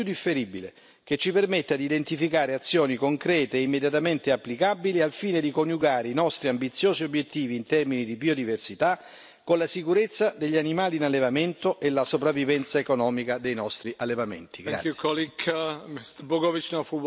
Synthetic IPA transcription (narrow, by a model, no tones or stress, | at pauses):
ud̪ifːeɾibile | k̟et͡ʃːipermet̪ːad̪iːd̪ent̪ifikaːɾeat̪sːjoːnikoŋkɾɛːt̪eːimːed̪jat̪ament̪eapːlikabilialfiːned̪ikonjuɡaːɾeinɔst̪ɾiambit̪sːjoːziobjet̪ːiːviːnt̪ɛrminid̪ibiːod̪iversit̪a | kolasikuɾet̪sːad̪eʎːianimaːliːnalːevament̪oʔelasopɾavːivɛnt̪saekonɔːmikad̪ejnɔst̪ɾiʔalːevamḛnt̪iɡɾa̰kʰɔlikʰmist̪boɡɔvit͡ʃnɔ̃fu